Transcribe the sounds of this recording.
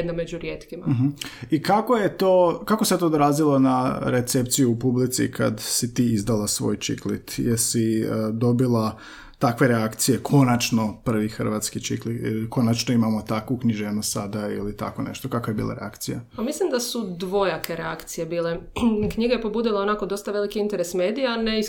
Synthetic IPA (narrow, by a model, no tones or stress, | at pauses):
jed̪named͡ʒuɾjeːt̪kimam̩ɦm̩ikakoje̞t̪oːkakose̞t̪oːd̪ɾaːzilˠo̞naɾet̪sept̪sijuːpublit̪sḭkʰa̰d̪sit̪iːizd̪alasʋo̞̰ːjt͡ʃḭklḭt̪jeɾsid̪o̞bilˠa | t̪akʋe̞ɾeakt̪sije̞kʰo̞nat͡ʃno̞pr̩ʋixr̩ʋat̪skit͡ʃiklikʰo̞nat͡ʃnoimamo̞t̪akʋukniʒeːnusad̪aḭlit̪a̰ko̞nḛʃt̪okakoje̞bḭːlˠa̰ɾḛa̰kt̪sijapamislˠimd̪asud̪ʋo̞jakʰe̞ɾeakt̪sije̞biːlekɲiɡajepobuːd̪ilˠao̞nako̞d̪o̞st̪aʋe̞likiint̪e̞ɾesme̞ːd̪ijanei